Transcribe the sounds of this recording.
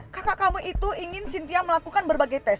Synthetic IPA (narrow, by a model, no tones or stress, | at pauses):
kakaʔkamuʔit̪uiŋɪnsint̪iaməlakukanbərbaɡajt̪ɛs